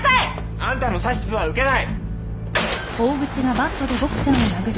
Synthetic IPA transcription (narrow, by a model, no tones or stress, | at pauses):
se | ãnt̪anosaɕi̥t͡sɨβaɯ̟ke̞nai | oːɡɯ̟t͡sɨɡabat̪ːod̪eɡokɯ̥senominaɡɯ